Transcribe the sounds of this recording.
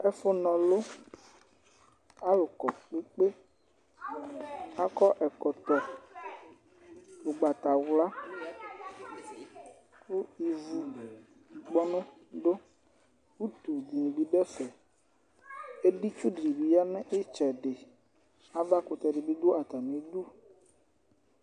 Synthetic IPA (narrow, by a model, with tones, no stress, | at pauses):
ɛ˦fɔ˦nɔ̃˨lo˦ | a˦lo˨kɔ˨k͡pe˦k͡pe˦ | a˦kɔ˦ʔɛ˨kɔ˨t̪ɔ˨ | lo˨ɡ͡ba˨t̪a˨wla˦ | ku˦i˨vu˦˨ | k͡pɔ˦nũ˦ | ɖo˦ | wu˦t̪u˨d̪i˨e˨bi˨ɖɛ˦fɛ˨ | e˦ɖi˦t͡ʃu˦ɖɾi˨bi˨ja˦nɛ̃˦ʔe˦t͡ʃɛ˨ɖe˨ | a˦va˦ko˨t̪ɛ˨ɖe˨bi˦d̪o˦a˨t̪a˨nĩ˨˦d̪u˦